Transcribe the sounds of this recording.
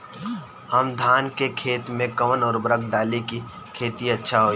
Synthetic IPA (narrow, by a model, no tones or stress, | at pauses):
ɦɐmd̪ʱaːnkekʰeːt̪mẽkɐʋənɔːɾbɾəkɖaːliki | kʰeːt̪iɐtːʃʰaɦoː